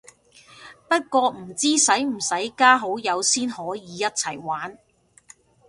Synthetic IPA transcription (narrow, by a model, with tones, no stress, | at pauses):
pɐ˥t̚kʷɔː˧m̩˨˩t͡siː˥sɐ˨˥jm̩˨˩sɐ˨˥jkaː˥ɦo˨˥wjɐ˨˧wsiː˥nhɔː˨˥jiː˨˧jɐ˥t̚t͡sʰɐ˨˩jwaː˨˥n